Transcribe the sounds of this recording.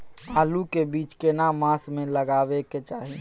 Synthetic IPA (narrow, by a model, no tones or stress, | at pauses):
aːlukebiːt͡ʃkenamãːsmẽlɐɡaːʋeket͡ʃaːɦi